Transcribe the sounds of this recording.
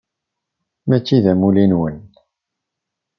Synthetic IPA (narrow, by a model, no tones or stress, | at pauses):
mæt͡ʃːiðæmulinwən